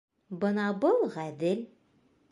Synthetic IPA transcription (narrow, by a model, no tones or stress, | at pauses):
bɤnɑbɤlˠʁæd̪ɘlʲ